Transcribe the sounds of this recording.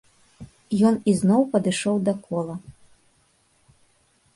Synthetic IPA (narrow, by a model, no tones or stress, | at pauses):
jɔniznɔwpɐd̪ɨʂɔwd̪ɐkʰɔlˠɐ